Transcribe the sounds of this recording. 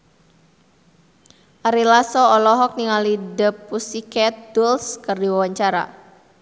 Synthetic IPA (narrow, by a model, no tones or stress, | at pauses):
ʔaɾilasɔɔlɔɦɔk̚niŋalidəpːusikɛt̪̚d̪ulskərdiwawaɲt͡ʃaɾa̰